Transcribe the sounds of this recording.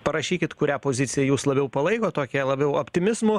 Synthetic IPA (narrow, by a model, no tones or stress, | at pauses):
pɐɾɐʃʲiːkʲɪt̪kʊɾʲæːpoːzʲɪtsʲɪjɛjuːslˠɐbʲɛʊpɐlˠɐɪkoːt̪oːkʲiɛlˠɐbʲɛʊopʲt̪ʲɪmʲɪsmʊ